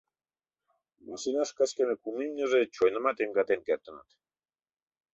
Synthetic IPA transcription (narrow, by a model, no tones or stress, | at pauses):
ɡusinaskaskemekumimɲozet͡ʃoenamat̪eŋɡat̪eŋkeɾt̪ena̰t̪